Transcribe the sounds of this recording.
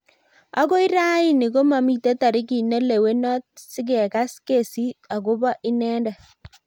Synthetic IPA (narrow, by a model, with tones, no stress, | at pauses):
a̰˦ko˦i˦ɾa˦i˦ni˨ɡo˦ma˨mi˦te˦ta˨ɾi˦ki˨ne˦le˨we˦nɔ˦t̚si˦ɡɛ˨ka˦ske˦˨si˦ta˨ɡo˦ba˦ʔi˦nɛ˦ndɛ˨